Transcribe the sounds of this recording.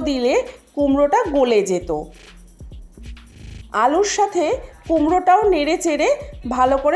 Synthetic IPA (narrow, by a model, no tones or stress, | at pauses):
d̪ilekumɾoʈaɡoled͡ʑet̪o̰ | aluɾʃat̪ʰekumɾoʈaoneɾet͡ɕeɾebʱalokoɾe